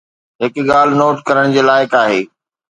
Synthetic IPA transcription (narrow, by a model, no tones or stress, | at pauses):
ɦɪkɠaːl̤ɪnoːʈkɐɾəɽ̃d͡ʑeːlaːɪkaːɦeː